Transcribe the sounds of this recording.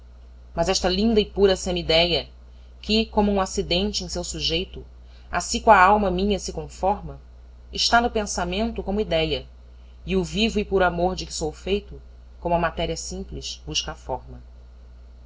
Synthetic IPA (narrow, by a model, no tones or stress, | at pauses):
mɐzɛʃt̪ɐlĩnd̪ɐɪpuɾɐsẽmid̪ɛjɐ | kʲɪkõmʊũasid̪ẽnt͡ʃɪẽj̃sewsuʒejt̪ʊ | a̰sĩkõɐawmɐmĩɲɐsɪkõfɔɾmɐ | ɪʃt̪anʊpẽsamẽnt̪ʊkõmʊid̪ɛjɐ | ɪʊvivʊɪpʊɾamoɾd͡ʒɪkɪ̥sowfejt̪ʊ | kõmʊɐmat̪ɛɾiɐsĩmplɪʃbuʃkɐafɔɾmɐ